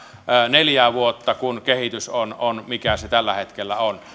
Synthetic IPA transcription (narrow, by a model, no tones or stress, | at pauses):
neljæːʋuot̪ːɑkunkehit̪ysononmikæset̪ælːæhet̪kelːæ̰on